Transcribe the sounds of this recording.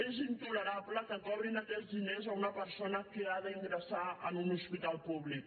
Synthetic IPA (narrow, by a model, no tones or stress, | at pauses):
ezint̪uləɾapləkəkɔβɾinəkɛzðinezəunəpəɾsonəkəaðəiŋɡɾəsaə̰nunuspit̪alˠpuβlik